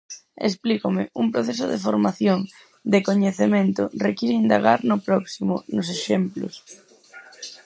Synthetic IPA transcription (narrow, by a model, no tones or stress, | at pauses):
ḛsplikʊmɪumpɾoθes̬ʊ̰ðḛfoɾmaθjoŋ | d̪ekoɲeθemẽnt̪ʊrekiɾeind̪aɣaɾnʊpɾɔksimʊ̰nʊs̬eʃemplʊ̰s